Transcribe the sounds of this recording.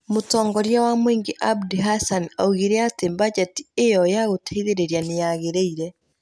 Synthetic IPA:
motɔːŋɡɔɾjawamweːŋɡeʔabdiɦasana̰uɣiɾɛatembad͡ʒati̥ejɔjaɣotʰaiðeɾeɾjanejaɣeɾeiɾɛ

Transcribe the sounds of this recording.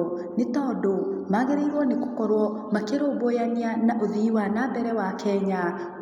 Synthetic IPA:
netɔdomaːɣeɾeiɾwɔneko̥kɔɾwɔ | makeɾoːbojanianaʔoðiwanabɛɾɛwakʰɛɲa

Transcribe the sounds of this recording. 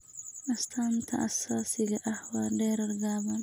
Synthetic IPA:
ʔɐst̪ʰaːnt̪ʰɐ̰ʔɐsːaːsiɡɐʔɐhwaːdeɾɐɾɡaːban

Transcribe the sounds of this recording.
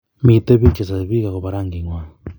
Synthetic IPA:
miteβit͡ʃasaβikaɣoβaɾaŋɡiŋwa

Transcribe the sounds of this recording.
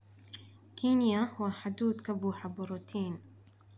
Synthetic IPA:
kinjahʊwaħad̪uːd̪kabuħabuɾuːt̪ʰiːn

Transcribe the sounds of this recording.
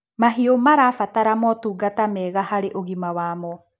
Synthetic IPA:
maɦiomaɾafataɾamɔtuːɡatamɛːɣahaɾeʔoɣimawaːmɔ

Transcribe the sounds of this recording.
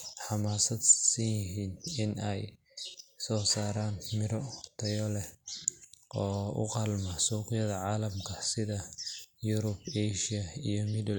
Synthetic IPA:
ħɑmaːsɐd̪siɪɦiːnɪnɛj | sɔːsaːɾaːnmɪɾɔt̪ʰɐjɔlɛ | ʔɔːʊ̰qɑlmɐsuːqɪjɐðɐʕaːlɐmkʰɐsɪðɐjuɾʊbɛʃɪɐijɔmɪdɐl

